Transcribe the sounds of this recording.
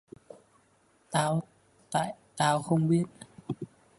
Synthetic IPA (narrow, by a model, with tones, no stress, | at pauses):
t̪aː˧w | t̪a̰ː˧˨jt̪aː˧wxə˧wŋ͡mɓi˦˥ət̚